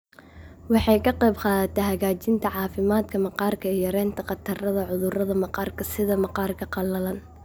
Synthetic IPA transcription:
wɑħɑjkʰɐqɛjbqɑːðɐt̪ʰɛɦɐɣaːt͡ʃɪnt̪ʰɐʕɑːfɪmaːd̪kʰɐmɐqɑːrkʰɐɛjɐɾɛːnt̪ʰɐqɑt̪ʰɐrɐðɐʕʊðʊrɐðɐmɑqɑːrkʰɐsɪðɐmɑqɑːrkʰɐqɑlɐlɐn

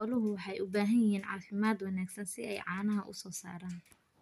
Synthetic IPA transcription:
ɔlʊɦʊwɑħɑjʊbaːɦɐnjɐɦiːnʕɑ̰ːfɪmaːd̪wɑnaːɡsɐnsɪɛjʕɑːnɐɦɐʔʊ̰sɔːsa̰ːɾaːn

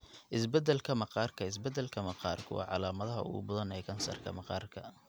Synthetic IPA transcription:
ʔɪsbɛd̪ːɛlkʰɐmɑqɑːrkʰɐɪs̬bɛd̪ːɛlkʰɐmɑqɑːrkʰʊwɑ̰ːʕɑlaːmɐðɐɦɐ̰ʊ̰ɣʊ̰bɐðɐnɛːkʰɐnsɐ̰rkʰɐ̰mɑqɑːrkʰɐ

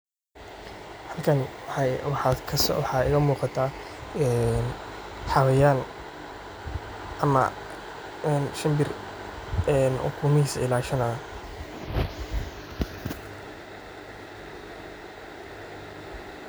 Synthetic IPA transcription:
hɐlkʰɐnwɑħɑːd̪kʰɐsɔ̰wɑħɑːɪɣɐmuːqɑt̪ʰaː | ɛn | ħɑwɐjaːn | ɐmɐ̰ | ɛnʃɐmbɪr | ɛnʔʊ̰kʰuːmɪhiːsɐɪlaːʃɐnɐː

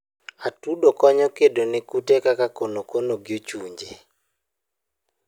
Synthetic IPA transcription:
atudokɔɲɔkedonɛkutekakakonokonoɡjot͡ʃuɲd͡ʒe

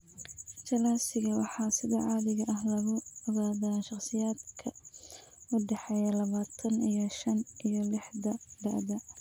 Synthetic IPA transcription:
t͡ʃʰɐlaːsɪɣɐwɑħɑːsɪðɐʕɑːðɪɣɐʔɐɦlɐɣʊɔɣaːðaʃɑχsɪjaːd̪kʰɐ | ʊɖɛħɛjɐlɐβaːt̪ʰɐnijɞʃɐnʔijɔlɪħðɐɖɐ̰ðɐ

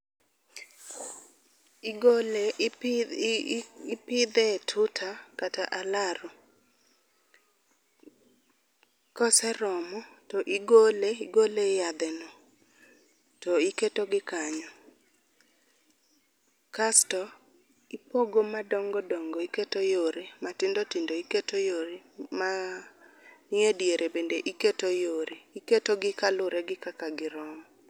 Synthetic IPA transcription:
ɡle | pɪd̪ɛtʰʊtʰakataʔalaɾo | kɔsɛɾɔmɔtɔʔiɡoleiɡolejad̪ɛnɔ | tɔiketoɡɪkaɲɔ | kastɔ | ipoɡomadɔŋɡɔdɔŋɡoiketojoɾematɪndotɪndoiketojoɾɪma | nɪedjeɾʔebendeʔiketojoɾeiketoɡɪkalʊɾɛɡɪkakaɡɪɾɔmɔ

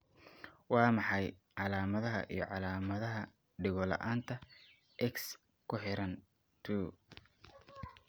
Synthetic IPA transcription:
wɑːmɑħɑjʕɑlaːmɐðɐɦɐ̰ʔḭjɞʕɑlaːmɐðɐɦɐ | ɖɪɣɔlɐ̰ʔaːnt̪ʰɐ | ʔɛks | kʰʊħɪɾɐn | t̪ʰuː

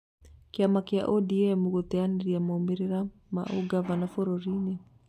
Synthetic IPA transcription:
kiamakia̰ʔɔdiɛmuɣɔtɛaniɾiamaumiɾiɾama̰ʔuɡavanafɔɾɔɾini

